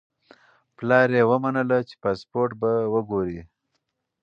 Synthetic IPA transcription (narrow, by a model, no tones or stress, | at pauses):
plɑɾewəmanəlat͡ʃe̥pɑspoɾʈ̚bawəɡoɾi